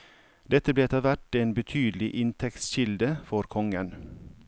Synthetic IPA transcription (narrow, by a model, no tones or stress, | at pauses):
d̪ɛt̪əbleːt̪ʰɑʋæʈeːnbət̪ʰyːd̪lɪʔɪnt̪ʰɛktsʃɪld̪əfɔɾkʰɔŋən